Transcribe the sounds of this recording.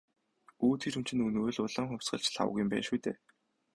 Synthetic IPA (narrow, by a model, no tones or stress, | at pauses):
uːt̪ʰirɵ̆m̥t͡ɕɘ̆nɵnoːɮʊɮə̆ːŋχʊwʲsɢə̆ɮt͡ɕɮa̰wə̰̆ɣĭmpæ̰ːnʃuːjt̪eː